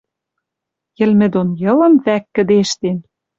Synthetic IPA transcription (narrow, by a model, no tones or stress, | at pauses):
jɘ̆lmɘ̆d̪onjɤ̆lɤ̆nvækːɘ̆d̪eʃt̪en